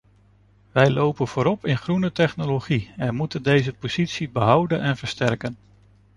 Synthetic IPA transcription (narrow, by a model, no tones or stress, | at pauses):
ʋɛjlowpənv̥ʊːɾɔpɪnχrunətɛχnoloχiɛnmutəndejzəpoz̥itsibəɦʌwdənɛnvəɹstɛɹkən